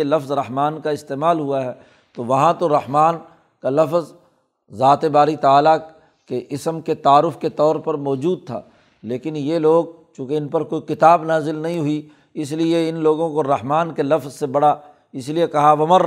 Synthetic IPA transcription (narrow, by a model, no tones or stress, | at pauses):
elɐfzɾɐɦmaːnkaɪst̪eːmaːlɦuaɦɛː | t̪oʋɐɦãt̪oɾɐhmaːn | kalɐfz | zaːt̪ebaːɾit̪aaːla | keʔɪsəmket̪aːɾʊfket̪ɔːɾpɐɾmɔːd͡ʒuːd̪̚t̪ʰa̰ː | leːkɪnjeloːɡ̚ | t͡ʃũːkeɪnpɐɾkoːikɪt̪aːbnaːzɪlnɐɦĩɦʊi | ɪs̬lieɪnloːɡõkoɾɐɦmaːnkelɐfzsebɐɽa | ɪsliekɐɦaʋɐməɾ